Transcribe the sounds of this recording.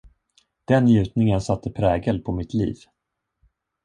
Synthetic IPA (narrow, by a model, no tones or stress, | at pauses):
d̪̥ɛnːjʉ̟ːt̪nɪŋənsat̪ʰːəpʰɾɛːɡəlpʰɔmɪt̪ʰlḭːv